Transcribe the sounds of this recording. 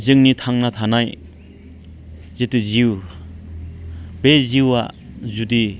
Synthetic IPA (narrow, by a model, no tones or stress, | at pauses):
zɯŋnit̪ʰaŋnat̪ʰanaj | zetɯziw | beziwa̰zudi